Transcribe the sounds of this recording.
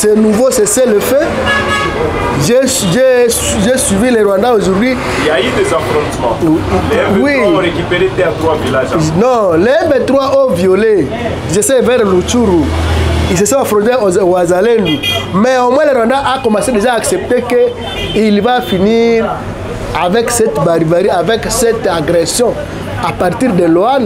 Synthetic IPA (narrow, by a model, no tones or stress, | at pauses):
sɛnuvosɛsɛlefɛ | ʒe | ʒe | ʒeswivilɛɾwãndaoʒuɾdwi | jaid̪ezafɾɔ̃t̪mɑ̰̃ | wiɾekipeɾet̪ɛat̪ɾwavilaʒnɔ̃lɛɛ̃bet̪ɾwaʔovjole | izesɛvɛʁlot͡ʃuɾuis̬esɔ̃afɾɔ̃t̪eoazalendimɛomwɛ̃lɛɾwãnd̪aʔakɔmãsed̪eʒaːksɛp̚t̪eke | ilvafiniʁ | avɛksɛt̪baʁivaʁiavɛksɛt̪aɡʁɛsjɔ̃ | apaʁt̪iʁd̪ɛloan